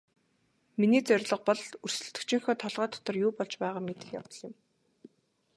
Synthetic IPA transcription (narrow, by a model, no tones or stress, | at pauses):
miniːt͡sœrʲɮɞ̆q̚pɔɮɵr̥sɵ̆t̪ɵ̆kt͡ɕɪ̆ŋxɔːt̪ʰɔɮʁœːt̪ʰːɔ̥t̪ɞ̆rjuːpɔɮt͡ɕpæːʁaːmet̪ɘ̆xja̰wt̪ɞ̆ɮɪ̆m